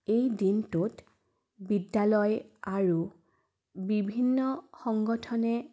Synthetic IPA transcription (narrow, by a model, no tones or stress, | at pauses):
ejdintut | bidːalɔjaɹu | bibʱinːɔxɔŋɡɔtʰɔnɛ